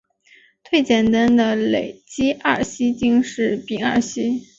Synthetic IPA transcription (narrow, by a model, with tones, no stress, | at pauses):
t̪ʰwe˥˩ɪt͡ɕjɛ˨˩nt̪a˥nd̪ə˨le˨˩ɪt͡ɕi˥ʔɐ˥˩ɕi˥t͡ɕi˥ŋʂɻ̩˥˩pi˨˩ŋa̰˞˥˩ɕi˥